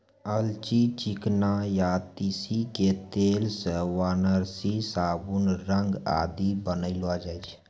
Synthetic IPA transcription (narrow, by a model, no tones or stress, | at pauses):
əlt͡ʃit͡ʃiknajat̪isiket̪eːlsəwaːnəɾsisaːbunɾəŋɡa̰ːd̪ibənəɪlad͡ʒaːjt͡ʃʰ